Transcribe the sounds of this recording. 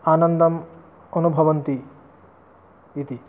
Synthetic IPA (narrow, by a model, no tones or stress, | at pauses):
anʌnd̪ɐm | onubʱʌʋont̪i | it̪i